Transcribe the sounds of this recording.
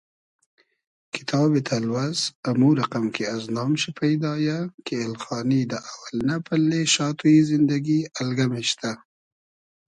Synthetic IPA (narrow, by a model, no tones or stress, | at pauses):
kɪ̥t̪ʰɑbet̪ʰalwazamuɾaqamkʰeaznɑːmʃipʰajd̪ɑjakeːlxɑnid̪əʔawalnapʰalːeʃɑt̪ʰujizɪnd̪aɡialɡameʃt̪a